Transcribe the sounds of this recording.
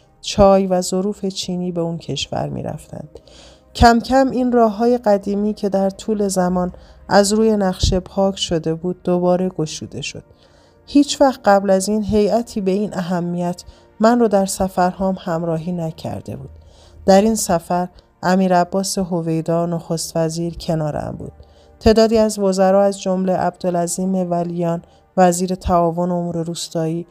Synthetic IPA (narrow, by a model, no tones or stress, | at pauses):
t͡ʃʰɒːjvæzo̞ɾuːfe̞t͡ʃʰiːniːbe̞uncʰe̞ʃvæ̰ɾmḭːɾʔæ̰ft̪æ̰nd̪̥ | cʰæmcʰæmiːnrɒːɦɒːje̞ɢæd̪iːmiːcʰe̞d̪æɾt̪ʰuːle̞zæmɒːnʔæzɾuːje̞næχʃe̞pʰɒːcʰʃo̞d̪e̞buːd̪̚ːobɒːɾe̞ɡo̞ʃuːd̪e̞ʃo̞̰d̪̥̚ | hiːt͡ʃʰvæxt̪̚ɢæblæziːnɦe̞jæt̪ʰiːbe̞iːnʔæɦæmːijæt̪ʰ | mænrɔːd̪æɾsæfæɾhɒːmhæmɾɒːɦiːnæcʰæ̰ɾd̪̥ḛbṵːd̪̥ | d̪̥æɾinsæfæɾ | ʔæmiːɾæbːɒːseɦove̞jd̪ɒːnoxo̞st̪væziːɾcʰe̞nɒːɾæ̰mbṵːd̪̥̚ | t̪ʰe̞ːd̪ɒːd̪iːæzvo̞zæɾɒːæzd͡ʒo̞mle̞ʔæ̰b̚d̪olæziːme̞vælijɒːn | væziːɾe̞t̪ʰæɒːvo̞neomuːɾe̞ɾuːst̪ɒːiː